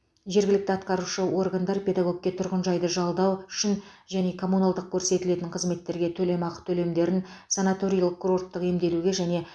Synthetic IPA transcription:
ʒe̞ɾɡʲɪlɪk̚t̪ɪɑt̪qɑɾuʃəwʔo̞rɡand̪ɑɾpʰʲe̞d̪aɡo̞k̚kʲːe̞t̪ʰʊɾʁənʒɑjd̪əʒɑlˠd̪ɑwʏʃɪnʒæne̞kʰo̞munalˠd̪əq̚kʲʰɵɾse̞t̪ɪle̞t̪ɪŋqʰəzme̞t̪ːe̞ɾɡʲe̞t̪ʰɵle̞mɑqə̥t̪ʰɵle̞md̪e̞ɾɪnsanat̪o̞ɾʲijɑlˠəq̚kʰːuɾo̞rt̪ːəqe̞md̪e̞luɡʲe̞ʒæne̞

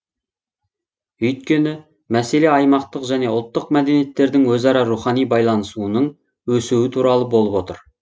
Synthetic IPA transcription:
ɵjt̪̚kʲe̞nɪ | mæse̞le̞ɑjmɑqt̪əqʒæne̞ʊlˠt̪ːəqmæd̪enije̞t̪ːe̞ɾd̪ɪŋwɵzɑɾɑɾuχɑnijbɑjlˠɑnəsuənəɴ | wɵsuwɪt̪ʰuɾɑlˠəbo̞lˠəpwo̞t̪əɾ

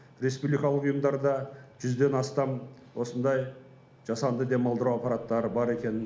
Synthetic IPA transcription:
ɾe̞spublijkɑlˠəqʊjəmd̪ɑɾd̪ɑʒʏzd̪e̞nɑst̪ɑm | wosənd̪ɑj | ʒ̥ɑsɑnd̪əd̪e̞mɑlˠd̪əɾuɑpːɑɾat̪ːɑɾəbɑɾe̞kʲe̞nɪn

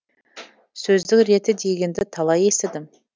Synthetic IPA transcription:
sɵzd̪ɪkɾe̞t̪ɪd̪e̞ɡʲe̞nd̪ɪt̪ʰɑlˠɑje̞sɪd̪ɪm

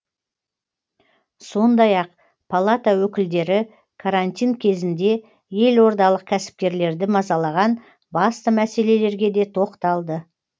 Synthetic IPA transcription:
so̞nd̪ɑjɑq | pʰalˠat̪awɵkʲɪld̪e̞ɾɪ | kʰaɾanʲt̪ʲijŋkʲʰe̞zɪnd̪e̞ | je̞lwo̞ɾd̪ɑlˠəq̚kʲʰæsɪ̥p̚kʲe̞ɾle̞ɾd̪ɪmɑzɑlˠɑʁɑn | bɑst̪əmæse̞le̞le̞ɾɡʲe̞d̪e̞t̪ʰo̞qt̪ɑlˠd̪ə

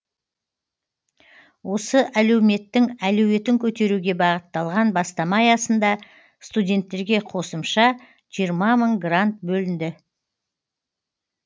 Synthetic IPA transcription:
wo̞səʔælewme̞t̪ːɪŋælɵwe̞t̪ɪŋkʲʰɵt̪e̞ɾuɡʲe̞bɑʁət̪ːɑlˠʁɑnbɑst̪ɑmɑjɑsənd̪ɑ | st̪udʲe̞nt̪ːe̞ɾɡʲe̞qʰo̞səmʃɑ | ʒ̥ijəɾmɑməɴɡrant̪̚bɵlɪnd̪ɪ

